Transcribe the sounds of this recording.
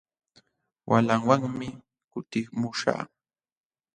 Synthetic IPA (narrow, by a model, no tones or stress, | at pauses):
wʔalaŋwaŋmɪ | kʊt̪ɪmʊʃa̰ː